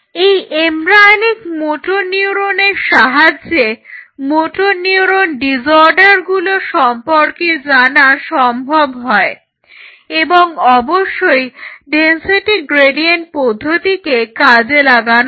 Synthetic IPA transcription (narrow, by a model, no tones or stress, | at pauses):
ejemɾajnikmoʈonioɾoneɾʃaɦad͡ʑemoʈonioɾonɖid͡ʑoɾɖaɾɡuloʃɔmpoɾked͡ʑanaʃɔmbʱobɦɔe | eboŋɔboʃːojɖensiʈiɡɾeɖienʈ̚pɔd̪ʱːot̪ikekad͡ʑelaɡan